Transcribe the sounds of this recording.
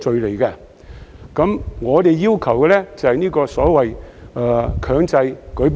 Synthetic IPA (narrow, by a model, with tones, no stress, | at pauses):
t͡ʃɵ˨˧ɥle˨˩jkɛ˧ | kɐ˨˥mŋɔː˨˧t̪e˨jːiː˥wkʰɐ˨˩wkɛː˧lɛ˥t͡sɐ˨whɐ˨jniː˥kɔː˧sɔː˨˥wɐ˨jɛ˨kʰœː˨˧ŋt͡sɐ˧jkɵ˨˥p